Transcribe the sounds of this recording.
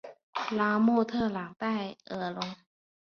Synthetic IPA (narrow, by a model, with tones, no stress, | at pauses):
laː˨˧˥moː˥˩t̪ʰɤː˥˩laː˩˦ŋt̪aː˥˩jʔɤː˨˩lo˧ŋ